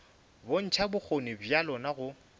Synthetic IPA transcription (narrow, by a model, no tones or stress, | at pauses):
bon̩t͡ʃʰabʊk͡xʰonɪbjalɔnaɣʊ